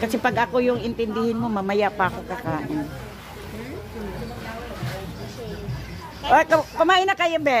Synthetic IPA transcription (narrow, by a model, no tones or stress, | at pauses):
kɐsɛpɐɡʔɐkojʊŋɪnt̪ɪnd̪ɪhɪnmomɐmɐjapɐkokɐkaːʔɪn | ʔokɐpɐmaːʔɪnakajabɛ